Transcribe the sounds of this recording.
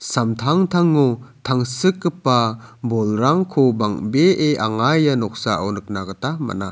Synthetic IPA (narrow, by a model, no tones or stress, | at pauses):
samtʰaŋtʰaŋːɔtʰaŋsɯkːɯpabɔlɾaŋkʰɔbaŋbeʔeʔaŋajanɔk̚saawnɯk̚naɡɯtama̰na